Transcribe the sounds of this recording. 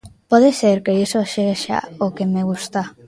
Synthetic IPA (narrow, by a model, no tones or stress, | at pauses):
pɔðeseɾkeisoʃeɣʃa̰okemeɣ̞ust̪a